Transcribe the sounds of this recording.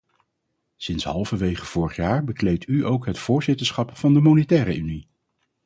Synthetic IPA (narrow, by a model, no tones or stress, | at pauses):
sɪnsɦɑlˠvəʋejχəv̥ʊːɹəχjaːɹbəklejtyʔowkɦətfʊːɹzɪtəɹsχɑpfɑndəmownetɛːɾə̰ʔyni